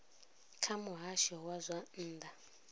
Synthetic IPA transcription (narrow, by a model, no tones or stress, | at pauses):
kʰamʊɦaʃɔwazʷan̩ːd̪a